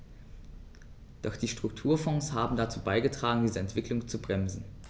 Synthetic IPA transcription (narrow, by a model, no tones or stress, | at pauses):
d̥ɔχd̥iːʃtʁ̥ʊk̚tʰuːɐfɔ̃ŋshaːbm̩dat͡suːbaɪɡətʁ̥aːɡŋ̩diːzəɛntv̥ɪklʊŋt͡subʁɛmzn̩